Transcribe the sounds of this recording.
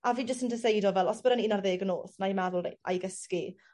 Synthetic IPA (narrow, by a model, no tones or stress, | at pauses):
aviːd͡ʒəs̬təndəsejdɔvɛlˠɔsb̥əɾaniːnarðeːɡənoːθnajmɛðʊlˠreʔa̰jɡəski